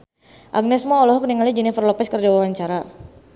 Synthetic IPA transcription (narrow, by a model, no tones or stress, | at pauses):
ʔa̰ɡ̚nɛsmɔɔlɔɦɔk̚niŋalid͡ʒɛnifərlɔpɛskərd͡ʒawawaɲt͡ʃaɾa